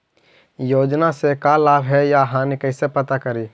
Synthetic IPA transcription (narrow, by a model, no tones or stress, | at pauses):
joːd͡ʒnasekalaːbʱɦɛjaɦãnikəɪsepət̪akəɾi